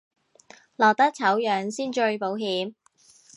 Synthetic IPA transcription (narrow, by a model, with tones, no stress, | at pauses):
lɔː˨˩k̚t̪ɐ˥k̚t͡sʰɐ˨˥wjœː˨˧ŋsiː˥nt͡ʃɵ˧ɥpo˨˥wɦiː˨˥m